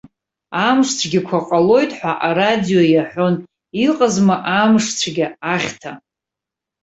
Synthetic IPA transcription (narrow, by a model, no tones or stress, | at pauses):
amʂt͡sʷʰɡʲɪkʷʰaqʼalo̞jtʰʼħʷaʔaɾadijo̞jaħʷᶣo̞n | iqʼazmaʔamʂt͡sʷʰɡʲaaχʲtʰa